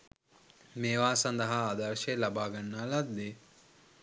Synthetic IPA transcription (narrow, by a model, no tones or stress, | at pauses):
meːʋaːsɐnd̪əɦaːd̪ɐɾʃelabaːɡanːalad̪d̪e